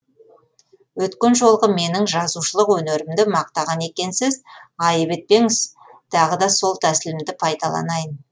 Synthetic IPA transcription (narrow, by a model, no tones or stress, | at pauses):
wɵt̪kʲe̞nʒo̞lˠʁəme̞nɪŋʒɑzuʃəlˠəqwɵne̞ɾɪmd̪ɪmɑq̚t̪ɑʁɑne̞kʲe̞nsɪzɑjəbet̪̚pe̞ŋɪz | t̪ʰɑʁəd̪ɑso̞lˠt̪ʰæsɪlɪmd̪ɪpʰɑjd̪ɑlˠɑ̰nɑjən